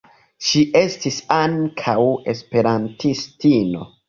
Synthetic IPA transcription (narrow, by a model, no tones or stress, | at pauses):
ʃiʔe̞stisaŋkʰawe̞spe̞ɾantistino̞̰